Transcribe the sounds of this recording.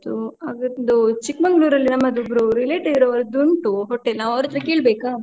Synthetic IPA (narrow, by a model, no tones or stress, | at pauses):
t̪uaɡd̪ut͡ʃikmɐŋɡɐluːɾɐlːinɐmːɐd̪uɡɾuɾileːʈɐɡiɾɐʋɐɾud̪uɳʈuɦɔʈːenaːʋɐʋɾɐt̪ɐɾɐkeːɭbeːkaː